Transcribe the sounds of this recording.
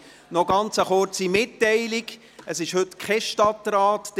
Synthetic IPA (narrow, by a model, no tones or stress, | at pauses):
nɔɡɑnt͡səχʊrt͡simɪtːɛɪlɪɡ | əsɪʃhɵtkʰχɛʃtɑtɾaːtd̥